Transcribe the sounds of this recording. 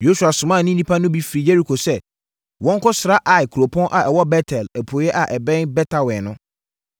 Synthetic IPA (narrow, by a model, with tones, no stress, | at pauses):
jo˦su˨a˨sʊ˨mã˦˨nɪ̃˦nĩ˦pʰa˦nʊ̃˦bi˦fi˨ɾi˨jɛ˦ɾi˨kʰo˨sɛ˦ | wɔ̃˦ŋ̩˦kʊ˦sɾa˦ʔa˨kʰu˨ɾo˨pʰɔ̃˦nʔa˨ɛ˨wɔ˦bɛ˦tʰɛ˨lɛ˨pʰo˨jɛ˦ʔa˨ʔɛ˨bɛ̃˦nbɛ˦tʰa˨wɛ̃˨nʊ̃˦